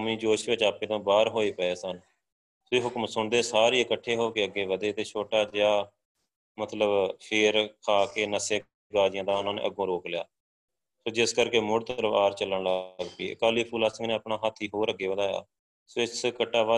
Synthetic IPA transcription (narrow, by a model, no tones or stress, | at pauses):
miːd͡ʒoːʃʋẽːt͡ʃaːpẽːt̪ãːbaːɾɦoːeːpəeːsən | soːɦʊkmsʊɳd̪eːsaːɾiːəkəʈʰːeːɦoːkeəɡːeːʋəd̪eːt̪eːt͡ʃʰoːʈaːd͡ʒjaː | mət̪ləbpʰɪːɾkʰaːkeːnəseː | ɡaːd͡ʒɪjãːd̪aːʊnãːnḛːʔəɡõːɾoːklɪja̰ː | soːd͡ʒɪskəɾkeːmʊɽt̪əɾəbaːɾt͡ʃəlːəɳləɡpiːə̰kaːliːpʰuːlaːsə̃ŋɡnẽːəpɳaːɦət̪ʰːiːɦoːɾəɡːeːʋəd̪aːja̰ː | soːɪskəʈːaːʋa